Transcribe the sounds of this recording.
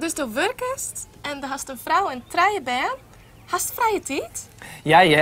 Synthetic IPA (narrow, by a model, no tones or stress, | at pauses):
dɵsdowʋørkəst | ɛndəɦɑstənfrawəntrɛjəbɛːn | hastfrɛjətiːtjaja